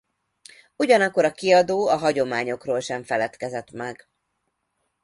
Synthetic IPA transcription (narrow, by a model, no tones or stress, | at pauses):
uɟɒnɒkːo̞ɾɒkiɒd̪oːɒɦɒɟo̞maːɲo̞kroːlʃɛɱfɛlɛt̪kɛzɛt̪mɛɡ